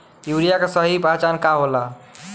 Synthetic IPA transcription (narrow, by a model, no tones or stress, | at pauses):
juɾijakesəɦipat͡ʃankaɦola